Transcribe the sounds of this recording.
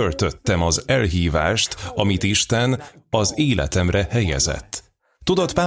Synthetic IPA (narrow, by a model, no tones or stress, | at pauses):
ølt̪øt̪ːɛmɒzɛlɦiːvaːʃt̪ɒmit̪iʃt̪ɛnɒzeːlʔɛ̰t̪ɛmrɛhɛjɛ̰zɛ̰t̪ː | ud̪ot̪paː